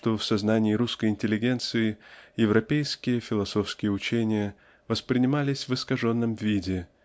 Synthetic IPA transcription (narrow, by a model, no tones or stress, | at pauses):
t̪o̞fsɐznanʲɪːɾuskəjɪnʲtʲɪlʲːɪɡʲe̞nt̪sɨɪjɪvɾɐpʲejskʲɪjəfʲɪlˠɐso̞fskʲɪjəʊt͡ɕenʲɪjə | vəspɾʲɪnʲɪmalʲɪsʲvɨskɐʐo̞nːəmvʲidʲɪ